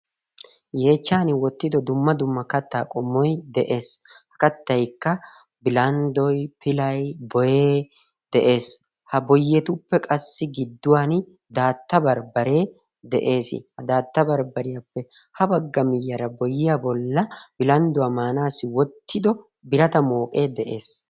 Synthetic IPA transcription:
je̞ːt͡ʃːaːnɪwɔt̪ːɪd̪ɔd̪ʊmːɐd̪ʊmːɐkɐt̪ːaːkʼɔmːɔjd̪ɛʔe̞ːshɐ̥kɐt̪ːɐjkːɐ | bɪlɐnd̪ɔjpɪlɐjbɔjeː | d̪̥ɛʔe̞ːs | hɐbɔjːɛt̪ʊpːɛkʼɐsːɪɡɪd̪ːʊwan | d̪aːt̪ːɐbɐɾbɐɾe̞ː | d̪ɛʔe̞ːsɪ̰hɐd̪aːt̪ːɐbɐɾbɐɾɪjapːɛ | hɐbɐɡːɐmɪjːɐɾɐbɔjɪjabɔlːɐb̥ɪlɐnd̪ʊwamaːnaːsɪwɔt̪ːɪd̪ɔ | bɪɾɐt̪ɐmo̞ːkʼe̞ːd̪ɛʔe̞ːs

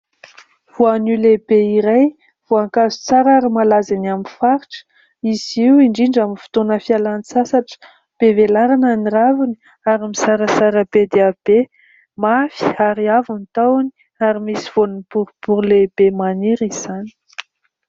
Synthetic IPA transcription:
v̥oanilebeiɾaj | v̥oaŋkazu̥t͡saɾaɾəmalazanamifaɾiʈ͡ʂə̥ | iz̥iwiɳɖ͡ʐiɳɖ͡ʐaminfi̥t̪onəfialanisasaʈ͡ʂə̥ | b̥evelaɾananiɾavuni | aɾimisaɾəsaɾəbed̪eab̥e | mafi̥aɾiavunit̪awani̥ | aɾimisiv̥onunpuɾupuɾulebemaneɾiz̥ani̥

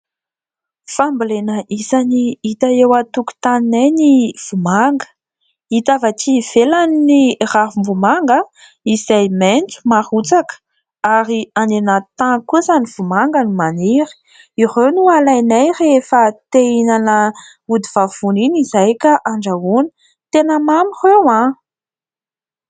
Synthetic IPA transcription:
famblenəʔisaniit̪aewat̪uku̥t̪aninajniv̥umaŋɡə̥ | it̪avat͡ʃiv̥elaniiraɦumvumaŋɡə | iz̥ajment͡su̥marut͡sakə̥ | aɾianenat̪akuəzaniv̥umaŋɡənimaniɾi̥ | iɾewnualajnajrefət̪einanə | ud̪iv̥av̥uninizajkaʔaɳɖ͡ʐaunə̥ | t̪enəmamirewã

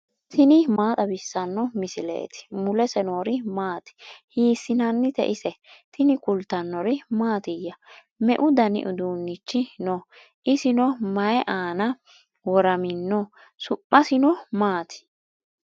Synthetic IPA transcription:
t̪ʰɪnɪmaːt̪ʼɐbɪsːɐnːɔmɪsɪlḛːt̪ɪ̥mʊlɛsɛnoːɾɪmaːt̪ɪ̥hiːsːɪnɐnːɪt̪ɛ̰ʔɪsɛt̪ɪnɪkʊlt̪ːɐnːɔɾɪmaːt̪ɪjːɐ | mɛ̰ʔʊd̪ɐnɪ̰ʔʊd̪uːnːɪt͡ʃːɪnɔ | ʔɪsɪnɔmɐjɛʔaːnɐ | wɔɾɐmɪnːɔ | sʊpʼːɐsɪnɔmaːt̪ɪ̥

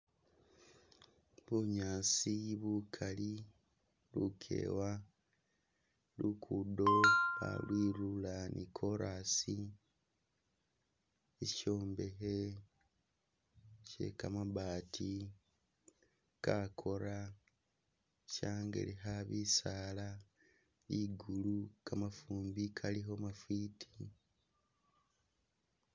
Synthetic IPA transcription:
βuɲaːsiβukʰali | lukʰe̞̰ːwa | lukʰudoβa̰lwiːɾulanʔikʰo̞ɾasi | eʃo̞ːmbe̞ɦe | ʃe̞̰kamaβaːtʰi | kakʰo̞ɾa | ʃaːŋɡḛliɦaβisaːla | liːɡulukamafuːmbikʰaliɦo̞mafitʰi

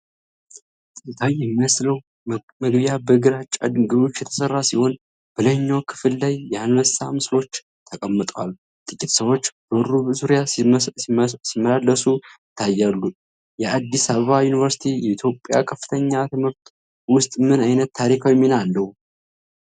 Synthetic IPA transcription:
t̪ʼɨkʼːit̪ʰajɛmːimsləw | məɡbijabəɡɨɾat͡ʃʼːa̰d̪ɨɡɨβo̞t͡ʃːjɛt̪ʰə̥sərːasiho̞n | b̥ələɲːawkʰɨ̥fɨlːajːɛhanɾəst̪ʰa̰mɨslo̞t͡ʃː | t̪ʰəkʼəmːɨt̪ʼwal | t̪ʼɨkʼit̪səβwo̞t͡ʃːbərːubəzuɾja | simːəlalːəsujɪt̪ʰːajːalːu | jɛad̪ːisaβəβajunivəɾsi̥t̪ʰijɛit̪ʰjo̞pʼːja̰kʰəfɨt̪ʰəɲːat̪ʰɨmɨɾt̪ | wʊst̪ʼmɨnajnət̪ːʰaɾikʰawɛmːinalːəw

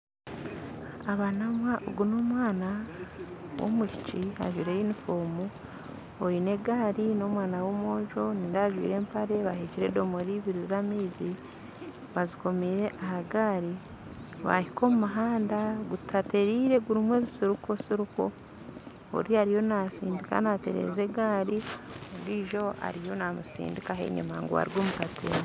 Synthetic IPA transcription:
aβanamwaʔo̰ɡuno̞ːmwaːna | wo̰muʃi̥t͡ʃia̰ʒwiɾejinifoːmu | oine̞ɡaːɾino̞ːmwaːnawo̞ːmoːʒo̞nindaʒwḭːɾe̞ːmpaɾe̞βahiciɾe̞do̞moɾiβiɾizamiːzi | βaziko̞miːɾe̞ʔahaɡaːɾi | βa̰hiko̞ːmumaɦaːndaɡutʰate̞ɾiːɾe̞ɡuɾimwe̞ːβisiɾuko̞siɾuko̞ | o̰ɾiaɾijo̞nasḭːndika̰nate̞̰ɾḛze̞ɡaːɾioɾiːʒo̞a̰ɾijo̞namusḭːndikaɦe̞̰ɲṵmaŋɡoβa̰ɾiɡoːmukatʰḛɾ

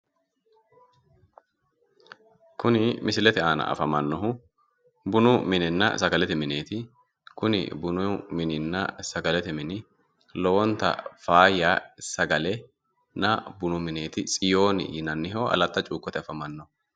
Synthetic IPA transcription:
kʊnɪmɪsɪlɛt̪ɛaːnɐ̰ʔɐ̰fɐmɐnːɔɦʊ | bʊnʊmɪnɪnːɐ̰sɐɡɐlɛt̪ɛmɪne̞ːt̪ɪ | kʊnɪ̰bʊnʊmɪnɪnːɐ̰sɐɡɐlɛt̪ɛmɪnɪ | lowɔnt̪ɐ̰faːjaːsɐɡɐlɛ | nɐbʊnʊmɪneːt̪ɪt͡sʼɪjo̞ːnɪ̰jɪnɐnːɪɦoːʔɐ̰lɐt̪ːɐt͡ʃʼuːkʼːɔt̪ɛɐfɐmɐnːɔ

